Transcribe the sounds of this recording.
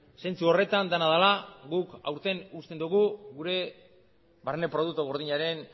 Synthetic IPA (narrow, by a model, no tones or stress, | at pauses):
se̞nt͡suo̞re̞t̪and̪anaðalaɣuka̰wɾt̪e̞nust̪end̪uɣ̞uɣuɾe̞ | βaɾnepɾo̞ð̞ukt̪uɣ̞o̞ɾðiɲaɾe̞n